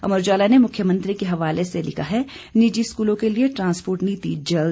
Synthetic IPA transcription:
ɐ̰məɾd͡ʒaːlanemʊkʰjəmɐ̃nt̪ɾikeɦɐʋaːleselɪkʰaɦɛ | nid͡ʒiɪskuːlõkelieʈɾãːnspoːɾʈniːt̪ḭːd͡ʒd͡ʒɐ

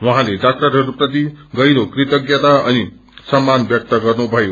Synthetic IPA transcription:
wʌɦãleɖak̚ʈʌɾɦʌɾuprʌt̪̬iɡʌjɾokrit̪ʌɡjʌt̪aʌni | sʌmːanbjʌk̚t̪ʌɡʌrnubʱʌjo

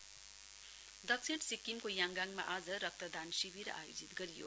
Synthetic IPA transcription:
d̪ʌk̚t͡sʰeʈsikːimkojaŋɡaŋma̰ʔad͡zʌɾʌk̚t̪ʌd̪ansibʱiɾʌ̰ʔa̰jod͡zit̪ɡʌɾijo̰

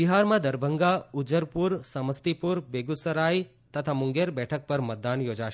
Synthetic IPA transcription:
biɦaɾmãd̪əɾbʱəŋɡaud͡ʒəɾpuɾsəməst̪ipuɾbeɡusəɾaj | t̪ət̪ʰamʊŋɡeɾbɛʈʰək̚pəɾmət̪̚d̪anjod͡ʒaʃ

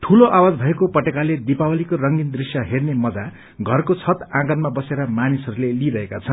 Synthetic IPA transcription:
ʈʰuloʔawad͡zbʱʌekopʌʈekaled̪ipawʌlikorʌŋɡind̪risjʌɦernemʌd͡za | ɡʱʌrkot͡sʰʌt̪ãɡʌnmabʌseɾʌmanisʌɾuleliɾʌɦekat͡sʰʌn

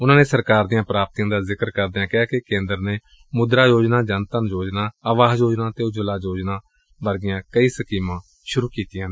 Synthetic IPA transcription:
ʊnãːneːsəɾkaːɾd̪ijãːpɾaːp̚t̪iːjãːd̪aːzɪkəɾkəɾd̪jãːkɛaːkekẽːnd̪əɾneː | mʊd̪ɾaːjoːd͡ʒnaːd͡ʒənt̪ənd͡ʒoːd͡ʒnaːəʋaːɦd͡ʒoːd͡ʒnãːt̪eːʊd͡ʒəlaːd͡ʒoːd͡ʒnaː | ʋəɾɡɪjãːkəiːsəkiːmãː | ʃʊɾuːkiːt̪ijãːn

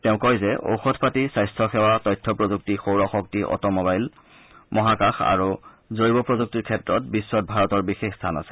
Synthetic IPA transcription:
tɛʊ̃kɔjzɛʔo̰wxɔtʰpatisajstʰɹɔxɛwatɔjtʰːɔpɹozuk̚tixowɹɔxɔk̚tiʔɔ̰tɔmɔbajl | mɔɦakaxa̰ɹu | zoɹibɔpɹozuk̚tiɹkʰɛtɹɔt̚bisːɔt̚bʱaɹɔtɔɹbixexstʰana̰sɛ̥

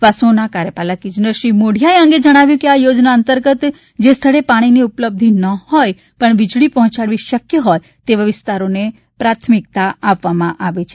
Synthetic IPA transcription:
ʋasõnakaɾəpalakid͡ʒnəʃimoɽ̤ʱijaeə̃ŋɡed͡ʒəɽ̃aʋjũkeajod͡ʒnaənt̪əɾɡət̪ | d͡ʒest̪ʰəɭepaɽ̃iniʊpləb̚d̪ʱinəhɔj | pəɳʋɪd͡ʒɭipəɦɔ̃t͡ʃaɽʋiʃəkjəɦɔj | t̪eʋaʋɪst̪aɾone | pɾat̪ʰmɪkt̪aapʋamãʔaʋet͡ʃʰe

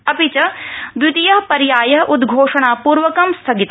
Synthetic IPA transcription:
ɐpit͡ʃɐd̪ut̪ijɐɦpɐɾjaːjɐɦɐʔud̪ɡʱoːʂɐɳaːpuːɾʋɐkɐmst̪ʰɐɡit̪

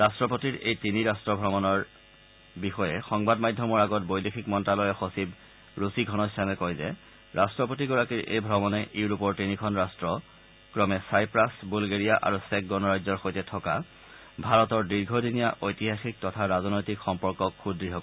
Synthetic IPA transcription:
ɹastɹɔpotiɹejtiniɹastɹɔbʱɹɔmɔnɔɹ | bixɔjɛxɔŋbadmajdʱːɔmɔɹaɡɔtbojdexʰikmɔntalɔjɛxosib | ɹusiɡʱɔnɔisamɛkɔjzɛ̰ | ɹastɹɔpotiɡɔɹakiɹʔḛjbʱɹɔmɔnɛʔiwɹupɔɹtinikʰɔnɹastɹɔ | kɹɔmɛsajpɹasbulɡeɹijaʔa̰ɹusɛk̚ɡɔnɔɹajzɔɹxojtɛtʰɔka | bʱaɹɔtɔɹdiɹɡʱodʱinijaʔojtiɦaxik̚tɔtʰaɹazɔnojtikxɔmpɔɹkɔkxudɹiɦɔkɔ

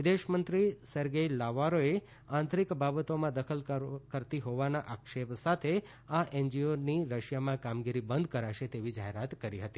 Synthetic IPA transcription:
ʋɪd̪eʃmənt̪ɾisəɾɡəilaʋaɾoe | ãnt̪ʰɾikbabət̪omãd̪əkʰəlkəɾt̪iɦoʋanaʔakʃepsat̪ʰe | aʔend͡ʒioniɾəʃjamãkamɡiɾibənd̪ʱkəɾaʃet̪eʋid͡ʒaɦeɾat̪kəɾiɦət̪i

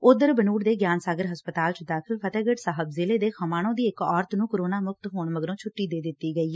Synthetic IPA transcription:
ʊd̪əɾbənuːɽd̪eːɡjaːnsaːɡəɾɦəspət̪aːlt͡ʃd̪aːkʰɪlpʰət̪ɛːɡəʈsaːɦəbzɪleːd̪eːkʰəmaːɽõːd̪iːɪkɔːɾt̪nũːkəɾoːnaːmʊk̚t̪ɦoːɳməɡɾõːt͡ʃʰʊʈːiːd̪eːd̪ɪt̪ːiːɡəiː

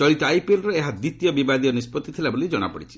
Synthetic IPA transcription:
t͡ʃɔɭit̪ɔajpelɾɔeɦad̪it̪jɔbibad̪ijɔnispɔt̪ːit̪ʰilabolid͡ʒɔɽ̃a̰pɔ̰ɽit͡ʃʰi̥

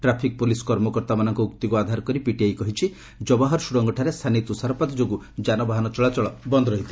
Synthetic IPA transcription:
ʈɾapʰik̚polisɔ̥kɔɾmɔkɔɾt̪amanɔŋkɔukt̪ikuad̪ʱaɾkɔɾipiʈiajkɔɦit͡ʃʰi | d͡ʒɔbaɦɔɾsuɾɔŋɡɔʈʰaɾest̪ʰanit̪usaɾpat̪ɔd͡ʒoɡu | d͡ʒanɔbaɦanɔt͡ʃɔɭat͡ʃɔɭɔbɔnd̪ɔɾɔɦit̪ʰi

